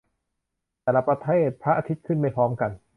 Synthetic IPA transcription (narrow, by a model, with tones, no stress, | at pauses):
t̪ɛː˨˩la˦˧˥pɾa˧t̪ʰeː˥˩t̪̚pʰɾa˦˥ʔaː˧t̪ʰi˦˥t̪̚kʰɯ˥˩nma˥˩jpʰɔː˦˥mka˧n